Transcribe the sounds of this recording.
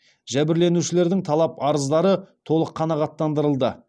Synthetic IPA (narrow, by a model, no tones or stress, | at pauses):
ʒæbɪɾle̞nuʃɪle̞ɾd̪ɪŋt̪ʰɑlˠɑpɑɾəzd̪ɑɾət̪ʰo̞lˠəqʰːɑnɑʁɑt̪ːɑnd̪əɾəlˠd̪ə